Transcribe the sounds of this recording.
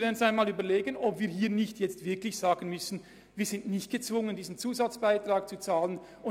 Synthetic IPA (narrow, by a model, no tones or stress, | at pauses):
dɛnsaɪnmaːlyːbɐleːɡənɔpviːɐɦiːɐnɪçtjɛt͡stv̥ɪɐklɪçz̥aːɡən̩mʏsn̩ | viːz̥ɪntnɪçt̚ɡ̥ət͡sv̥ʊŋəndiːzn̩t͡suːzat͡sb̥aɪtʁ̥aːkt͡sut͡saːlən | ʊ